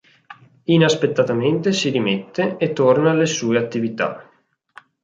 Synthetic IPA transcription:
inaspet̪ːat̪ament̪esiɾimet̪ːeːt̪ːornalesuːeat̪ːivit̪a̰

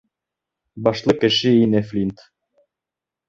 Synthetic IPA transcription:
bɑʃlˠɤkɘ̆ʃɘinæflʲint̪

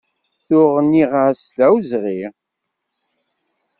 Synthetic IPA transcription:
θʊʁənːiʁaslæwzʁiʁ

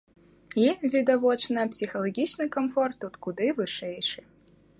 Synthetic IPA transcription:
ivʲid̪ɐvɔt͡ʃnɐpsʲixɐlˠɐɡʲit͡ʃnɨkɐmfɔrt̪ut̪kud̪ɨvɨʂɛjʂɨ

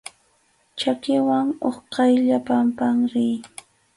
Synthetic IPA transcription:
t͡ʃakɪwaŋoχqɑjʎapampaŋɾɪj

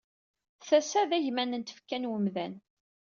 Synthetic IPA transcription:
θæsæðæʝmænənt̪ə̥fkːænwəmðæn

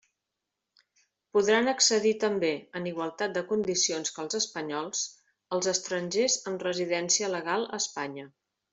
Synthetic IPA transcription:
puðɾanəksəðit̪əmbeəniɣwəlˠt̪at̪̚d̪əkund̪isionskəlˠzəspəɲɔlˠs | əlˠzəst̪ɾəɲʲʒezəmrəziðɛnsiələɣalˠə̰spaɲə

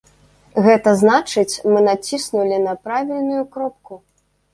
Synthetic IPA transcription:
ɣɛt̪ɐznat͡ʂɨt͡sʲmɨnat͡sʲisnulʲinɐpɾavʲilʲnujukɾɔp̚ku

